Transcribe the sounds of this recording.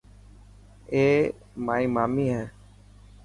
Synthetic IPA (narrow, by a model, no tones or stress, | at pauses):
eː | maːiːmaːmiːɦɛː